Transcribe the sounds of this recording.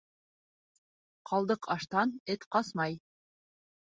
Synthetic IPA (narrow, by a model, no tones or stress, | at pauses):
qʰɑlˠd̪ɤqʰɑʃt̪ɑnɘt̪qɑsmɑj